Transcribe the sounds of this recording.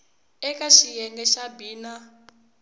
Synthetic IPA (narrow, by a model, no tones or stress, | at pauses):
ɛkʼaʃijɛŋɡɛʃabiːna